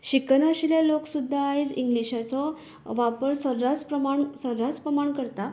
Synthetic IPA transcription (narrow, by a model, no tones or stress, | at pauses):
ɕiknaɕiljaloksud̪ʱːaːjt͡siŋɡliɕat͡sɔ | ʋapəɾsəɾɾaspɾəmaɳsəɾɾaspɾəmaɳkəɾt̪a